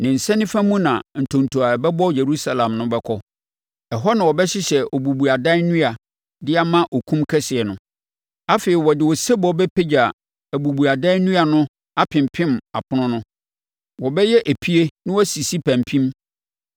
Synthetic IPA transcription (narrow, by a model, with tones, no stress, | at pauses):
nɪ̃˨n̩˨sɛ̃˦nɪ̃˦fã˦mũ˦nã˨n̩˨tʰõ˨n˨tʰu˨a˨bɛ˦bɔ˦je˨ɾu˦sa˦lã˨mnʊ̃˦bɛ˦kʰɔ˦ | ɛ˨ɦɔ˦nã˨wɔ˨bɛ˦ɕɪ˦ɕɛ˨ʔɔ˨bu˨bu˨a˨da˦i˦nũ˦a˨ | dɪ˦a˦mã˦ʔo˨kʰũ˦mkʰɛ˦sɪ˨ɛ˨nʊ̃˨ | a˦feː˨ɪ˨wɔ˨dɪ˨wɔ˨sɛ˦bɔ˨˦bɛ˦pʰe˦d͡ʑa˨ | æ˨bu˨bu˨a˨da˦i˦nũ˦a˨nʊ̃˦ | a˦pʰɪ̃˨mpʰɪ̃˦ma˨pʰʊ˦nʊ̃˦nʊ̃˦ | wɔ˨bɛ˦jɛ˦ʔæ˨pʰi˦e˦nɪ̃˦wɔ˦si˨si˦pʰæ̃˨mpʰĩ˦m